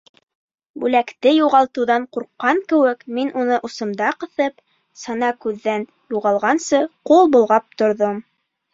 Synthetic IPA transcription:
bʉlækt̪ɘjuʁɑlˠt̪ɤ̆wðɑɴquɾqːɑŋkɘ̆wɘkminʔunɤʔŭsɤ̆md̪ɑqɤ̆θɤp | sɑnɑkʉðːæn | juʁɑlˠʁɑnsɤqulˠbulˠʁɑp̚t̪ŏɾðom

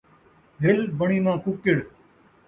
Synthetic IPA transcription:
bʱɪlbəɳ̃iːmãːkukɪɽ

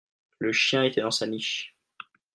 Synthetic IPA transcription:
ləʃjɛ̃et̪ɛd̪ɑ̃saniʃ

